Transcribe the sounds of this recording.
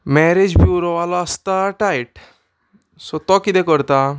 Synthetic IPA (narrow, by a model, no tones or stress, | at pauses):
mɛɾed͡ʑbjuɾoʋalɔəst̪aʈajʈ | sɔt̪ɔkit̪ɛ̃kəɾt̪a